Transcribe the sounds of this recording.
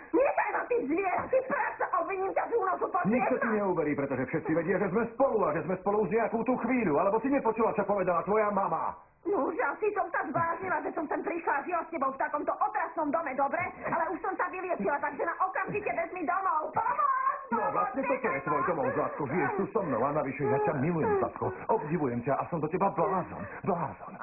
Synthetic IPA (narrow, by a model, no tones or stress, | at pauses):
ɲɪɛd̪ajnat̪izʋɪɛɾat̪ispɾaksaʔɔbʋiɲiːmcat̪uːnɔsupɔɲiɛsɔt̪iɲɛuːʋɛɾiːpɾɛt̪ɔʒɛfʃɛt̪t͡siʋɛɟɪaʒɛzmɛspɔluaʒɛzmɛspɔluuʒɲɛakuːt̪uːxʋiːʎualɛbɔsiɲɛpɔt͡ʃuːlat͡ʃɔpɔʋɛd̪alat̪ʋɔjamama̰ | nuʒasisɔmsazʋlaːzɲilaʒɛsɔmt̪ɛmpɾiʃlaʒiɔscɛbɔʊft̪akɔmt̪ɔʔɔt̪ɾasnɔmd̪ɔmɛd̪ɔbɾɛalɛuʃsɔmsaʋilɪɛt͡ʃilat̪aɡʒɛnaʔɔkamʒicɛbɛzmid̪ɔmɔʊ | nɔaʋlast̪ɲɛt̪ɔt̪ɔjɛt̪ʋɔjd̪ɔmɔʊzʋaːskɔʒijɛʃt̪usɔmnɔ̰ʊanaʋiʃɛjacamilujɛmsa̰skɔ̰ʔɔbɟiʋujɛmcaʔasɔmd̪ɔcɛbablaːzɔ̰nblaːzɔ̰n